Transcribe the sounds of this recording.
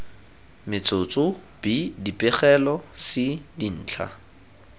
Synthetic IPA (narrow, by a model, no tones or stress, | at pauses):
mɪt͡sʰʼot͡sʼʊ | b̥idipʼɪχɛlɔsɪdin̩ːt͡ɬʰa̰